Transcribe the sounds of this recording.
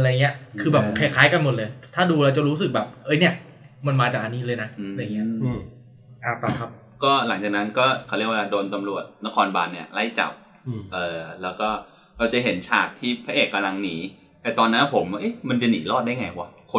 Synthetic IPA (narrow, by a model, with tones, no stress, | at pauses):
ʔa˧ɾa˧jŋːi˦˥ɐkʰɯː˧bɛː˨˩p̚kʰa˨˩kʰaː˦˥jka˧nmo˨˩t̪̚lɤː˧jt̪ʰaː˥˩duː˧ɾa˧wt͡ɕa˨˩ɾuː˦˥s̬ɯ˨˩k̚bɛː˨˩p̚ʔɤ˦˥jni˥˩ɐ | ma˧nmaː˧t͡ɕaː˨˩k̚ʔa˧niː˦˥lɤː˧jna˦˥˧ɾa˧jŋi˦˥ɐ | ʔaː˨˩t̪a˧˩kʰa˦˥p̚ | kɔː˥˩la˩˦ŋt͡ɕa˨˩k̚na˦˥nkɔː˥˩kʰa˧˩ɾi˦˥˩kwlaː˧doː˧nt̪a˧mɾu˨˩ət̪̚na˦˥kʰɔː˧nba̰ː˧nːi˥ɐla˦˥˩jt͡ɕa̰˨˩p̚ː | ʔɤː˨˩lɛː˦˥wkɔː˥˩ | ɾa˧wt͡ɕa˨˩ɦe˩˦nt͡ɕʰa̰ː˧˩t̪ʰːiː˥˩pʰa˦ʔeː˨˩t̪̚ka˧la˧ŋniː˩˦ | t̪ɛː˨˩t̪ɔː˧nːa˦˥pʰo˩˦mʔɤ˦˥˩jma˧nt͡ɕa˨˩niː˩˦lɔː˥˩t̪̚daː˥˩jŋa˧jkaː˧˩kʰo˧